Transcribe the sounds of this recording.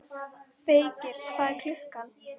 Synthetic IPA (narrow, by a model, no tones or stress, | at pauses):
feːjcɪɾ̥faːðkʰl̥ʏhkan